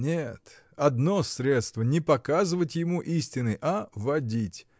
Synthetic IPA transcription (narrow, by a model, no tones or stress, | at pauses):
nʲet̪ | ɐd̪nosɾʲet̪st̪vənʲɪpɐkazɨvətʲjɪmuʔisʲtʲɪnɨʔavɐdʲitʲ